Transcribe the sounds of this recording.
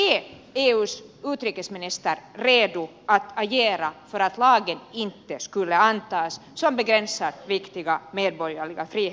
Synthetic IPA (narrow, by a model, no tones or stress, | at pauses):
ɛː | eːʉːsʉːt̪ɾiːkəsmɪnɪst̪əɾɾeːd̪ʊ | at̪aɾjeːɾafœɾat̪lɑːɡənɪnt̪əskɵlːəant̪ɑːssɔmbɛɡɾɛnsaɾvɪkt̪ɪɡameːd̪̚bɔɾjaɭɪɡafɾiːh